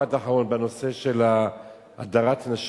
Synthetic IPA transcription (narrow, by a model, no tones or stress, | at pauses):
adaħaʁo̞nbeno̞se̞ʃe̞la | ʔa̰d̪aʁatnaʃ